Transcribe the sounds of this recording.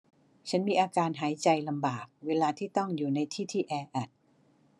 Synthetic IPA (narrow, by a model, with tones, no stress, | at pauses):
t͡ɕʰa˦˥nmiː˧ʔaː˧kaː˧nɦaː˩˦jt͡ɕa˧jla˧mbaː˨˩k̚weː˧laː˧t̪ʰiː˥˩t̪ɔ˥˩ŋjuː˨˩na˧jt̪ʰiː˥˩t̪ʰiː˥˩ʔɛː˧ʔa˨˩t̪̚